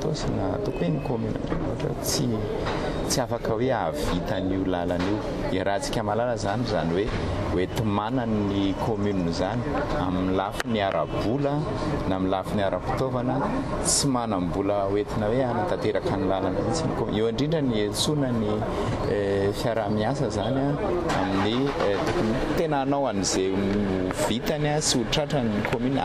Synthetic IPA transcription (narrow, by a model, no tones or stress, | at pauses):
t̪osina̰t̪ukuenikomyna̰ɳɖ͡ʐḛnoɦaʈ͡ʂə̰t͡si | t͡siafakəweavit̪aniulalaniw | eɾat͡si̥kʲamalaləzanizaniwe | wet̪imanannikʰomynunzani̥aminlafiniaɾʔa̰bulə | namilafiniaɾəpi̥t̪ovanə | t͡simanambuləwet̪inəweanant̪at̪eɾakanilalanit͡sinikom̰ewaɳɖ͡ʐiɳɖ͡ʐəniesunəni | fjaɾamiasəzanaa̰minit̪ukant̪enanawanizeu | v̥it̪anasiuʈ͡ʂaʈ͡ʂanikomyn